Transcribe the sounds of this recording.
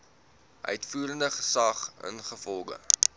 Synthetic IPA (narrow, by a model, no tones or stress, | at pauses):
ʔœ̰ɥtfuːɾəndəχə̥sɐχə̰nχəfɔlˠɡə̰